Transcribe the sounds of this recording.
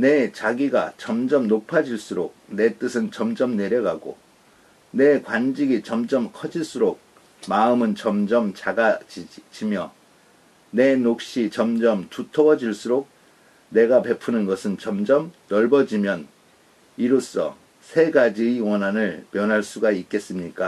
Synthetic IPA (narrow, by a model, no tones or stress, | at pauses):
ne̞t͡ɕaɡiɡa̰t͡ɕʌmd͡ʑʌmnopʰad͡ʑiɭs͈uɾok̚ne̞t͈ɯsʰɯnt͡ɕʌmd͡ʑʌmne̞ɾjʌɡaɡo̰ | ne̞kwand͡ʑiɡit͡ɕʌmd͡ʑʌmkʰʌd͡ʑiɭs͈uɾok̚ | maɯmɯnt͡ɕʌmd͡ʑʌmt͡ɕaɡad͡ʑimjʌ | ne̞nok̚ɕ͈it͡ɕʌmd͡ʑʌmtutʰʌɡʌd͡ʑiɭs͈uɾok̚ | ne̞ɡape̞pʰunɯnɡʌsʰɯnt͡ɕʌmd͡ʑʌmnʌɭbʌd͡ʑimjʌn | iɾos͈ʌ̰ | sʰe̞ɡad͡ʑiiwʌnɦanɯɭmjʌnɦaɭs͈uɡaik͈̚e̞s͈ɯmɲik͈a